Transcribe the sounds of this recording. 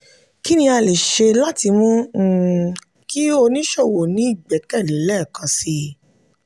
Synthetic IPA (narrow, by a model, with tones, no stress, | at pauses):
ki˦nĩ˧˦a˧le˨ʃe˧la˦ti˧mũ˦˨ | ki˦o˧nĩ˦ʃo˦˨wo˨nĩ˨˦i˦˨ɡ͡bɛ˨˦kɛ˦˨lĩ˨˦lɛ˦˨kã˧si˧